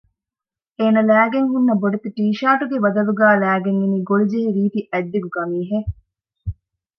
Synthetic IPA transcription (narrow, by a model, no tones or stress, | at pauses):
eːnɐlæːɡeŋɦunːɐboɖet̪iʈiːʃaːʈuɡeʋɐd̪ɐluɡæːlæːɡeŋeniːɡolud͡ʒeɦiɾiːt̪iʔɛd̪ːeɡukɐmiːɦe